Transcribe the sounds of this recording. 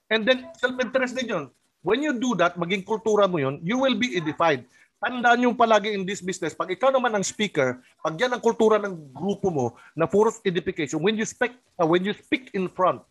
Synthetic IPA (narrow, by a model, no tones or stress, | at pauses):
ʔɛnd̪ɛnsɛlpɛnt̪ɛɾɛsnɪnjon | wɛnjud̪ud̪ɐt̪̚mɐɡɪŋkʊlt̪uːɾɐmojonjuwɪlbiʔɛd̪ɪfajd̪̚ | t̪ɐnd̪aʔanjʊŋpɐlaːɡɪɪnd̪ɪsbisnɛspɐɡɪkawnɐmanɐŋspiːkɛɹ | pɐɡjanɐŋkʊlt̪uːɾɐnɐŋɡɾuːpomo | nɐfoɾsɛd̪ɪfɪkejʃonwɛnjʊspɛk̚ | ɐwɛnjʊspikɪnfɹɔ̃nt̪̚